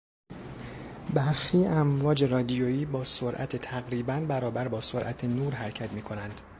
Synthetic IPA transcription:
bæɾxiːæmvɒːd͡ʒe̞ɾɒːd̪ijoːiːbɒːsoɾʔæ̰t̪ʰet̪ʰæɣɾiːbænbæɾɒːbæɾbɒːsoɾʔæt̪ʰenuːɾɦæɾcʰæt̪miːkʰo̞nænd̪̥

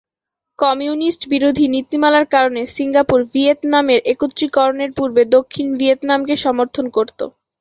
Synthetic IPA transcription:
kɔmiunisʈbiɾod̪ʱinit̪ːimalaɾkaɾonesiŋɡapuɾviet̪nameɾʔekut̪ːɾikɔɾoneɾpuɾbed̪okʰːinviet̪namkeʃɔmoɾt̪ʰonkoɾt̪o̰

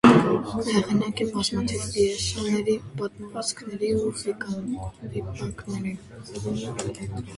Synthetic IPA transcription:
hɛʁinɑkinbɑzmɑt̪ʰivviɛʃɑnɛɾibɑt̪məʁɑt͡skʰnɛɾiuχik | ipɑŋknɛɾi | ɛt̪

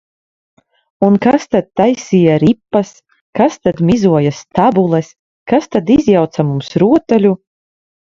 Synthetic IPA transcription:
unkast̪ad̪̚t̪ajsijaɾipːas | kast̪ad̪mʲizuɔjast̪abulˠɛs | kast̪ad̪izjawt̪samumsɾuɔt̪alʲu

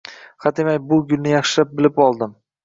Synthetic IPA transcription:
hat̪emajbʊɡʲʊlnɪjɑχʃɪlap̚bɪlɪpɒlˠd̪ɪm

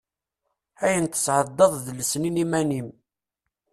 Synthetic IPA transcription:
æjənt̪ə̥sʕəd̪ːɑðˤðləsninimænim

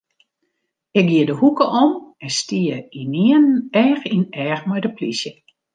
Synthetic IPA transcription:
ɪk̚ɡiədəhukəʔɔmɛnstiəiniənɛːxinɛːxmɔjdəplisjə

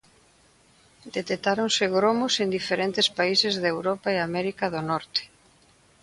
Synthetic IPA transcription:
d̪et̪et̪aɾoŋsɪɣɾomʊsend̪ifeɾent̪ɪspaisɪzðewɾɔpaeamɛɾikaðonɔɾt̪e̥

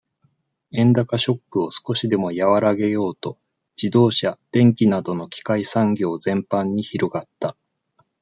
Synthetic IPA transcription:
ẽ̞nd̪akaɕo̞kːɯ̟o̞sɨ̥ko̞ɕid̪e̞mo̞jaβaɾaɡe̞jo̞ːt̪o̞ | d͡ʑ̥id̪o̞ːɕad̪̥ẽ̞ŋkʲinad̪o̞no̞kʲi̥kaisãŋɡʲo̞ːzẽ̞mpãɲ̟ːiçiɾo̞ɡat̪ːa

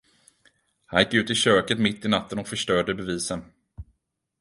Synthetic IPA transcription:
hanjɪkːʉ̟ːt̪ɪɕøːkət̪mɪt̪ːɪnat̪ːənɔkfœʂʈœːɖəbɛviːsən

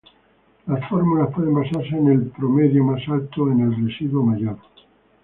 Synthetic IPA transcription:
lasfoɾmulaspweðembasaɾs̬eːnelpɾomeðjomasalt̪oenelresiðwomajoɾ

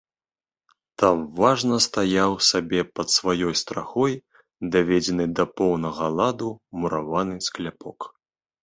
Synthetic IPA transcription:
t̪amvaʐnɐst̪ajawsabʲɛpɐt̪svajɔjst̪ɾaxɔj | d̪ɐvʲɛd͡zʲɛnɨd̪ɐpɔwnɐɣɐlˠad̪umuɾavanɨsklʲapɔk

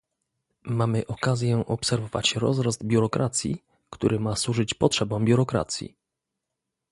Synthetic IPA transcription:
mamɘʔɔkazʲjɛʔɔpsɛɾvɔva̰t͡ɕɾɔzɾɔzd̪̚bʲjuɾɔkɾʔat̪sʲjḭ | kt̪uɾɘmaswuʐɘt͡ɕpɔtʂɛbɔ̃w̃bʲjuɾɔkɾa̰t̪sʲjḭ

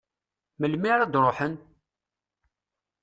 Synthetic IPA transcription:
məlmiɾad̪ɾˤoħən

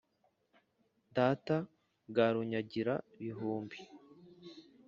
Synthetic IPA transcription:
daːta | ɡaɾuɲaɟiɾa̰βiɦuːmbi

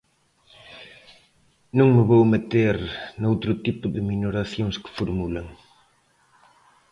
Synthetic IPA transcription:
nũŋmɪβowmet̪eɾnowt̪ɾʊt̪ipʊðɪminoɾaθjoŋskɪ̥foɾmulaŋ

